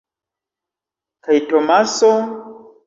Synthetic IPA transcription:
kajtomaso

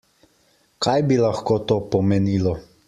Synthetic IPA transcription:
kʰajbilaxkoːt̪oːpɔmeniːlɔ

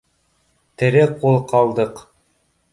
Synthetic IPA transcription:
t̪ɘ̆ɾɘqulˠqɑlˠd̪ɤq

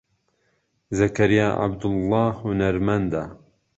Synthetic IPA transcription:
zɐkɐɾija̰ːʔa̰bd̪ʊlːɑːhhʊnɐɾmand̪a

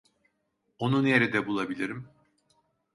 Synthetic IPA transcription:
o̞nunje̞ɾid̪ɛbulˠabilʲiɾim

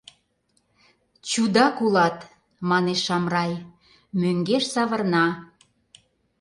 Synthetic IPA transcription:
t͡ɕud̪ɑkulɑt̪ | mɑneʃːɑmrɑj | møŋɡeʃsɑβə̆rnɑ

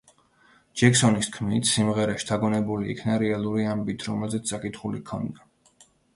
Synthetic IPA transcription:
d͡ʒɛksɔniskʰmit̪ʰsimʁɛɾaʃi̥t̪ʰaɡɔnɛbulḭːkʰnaɾɛalˠuɾiambit̪ʰɾɔmɛlzɛt̪ssʼakʼit̪χulikʰɔ̰nd̪a

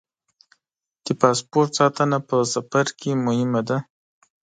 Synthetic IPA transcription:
d̪̥əpɑspoɾʈ̪sɑt̪ənapəsafaɾkemʊhɪmad̪a

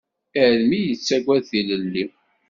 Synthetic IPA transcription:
ælmijət͡sːæɡʷæðθiləlːi

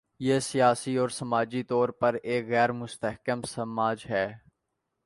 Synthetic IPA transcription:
jeːsijaːsiɔːɾsɐmaːd͡ʒit̪ɔːɾpɐɾeːkɣɛːɾmʊst̪əɦkəmsɐmaːd͡ʒɦɛː

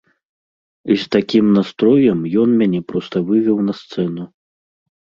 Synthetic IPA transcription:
ist̪akʲimnast̪ɾɔjɐmjɔnmʲanʲɛpɾɔst̪ɐvɨvʲɛwnɐst̪sɛnu

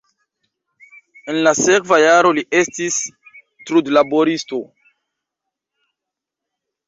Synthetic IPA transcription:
enlasekvajaɾo̞liʔestis | tɾudlaboɾisto̞

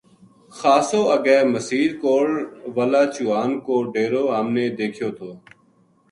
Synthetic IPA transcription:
xaːsoːəɡɛːməsiːɾkoːɽʋəlaːt͡ʃuːaːnkoːɖeːɾoːaːmneːd̪eːkʰjoːt̪ʰoː

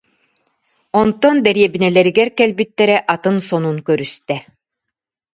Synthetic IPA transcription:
ɔnt̪ɔnd̪ɛɾijɛbinɛlɛɾiɡɛɾkɛlʲbit̪ːɛɾɛʔat̪ɯnsɔnunkœɾyst̪ɛ

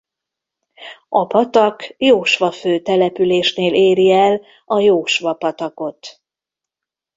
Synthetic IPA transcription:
ʔɒpɒt̪ɒkjoːʃʋɒføːt̪ɛlɛpyleːʃneːlʔeːɾiɛl | ɒjoːʃʋɒpɒt̪ɒko̞t̪

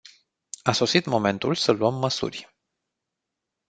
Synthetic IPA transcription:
aso̞sit̪mo̞me̞nt̪ulsəluəmːəsṵrʲ

